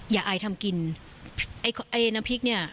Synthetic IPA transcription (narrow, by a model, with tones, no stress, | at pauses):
jaː˨˩ʔaː˧jt̪ʰa˧mki˧nʰ | ʔa˦˥jkʰʔa˥˩jna˧mpʰi˦˥k̚ni˥˩ɐ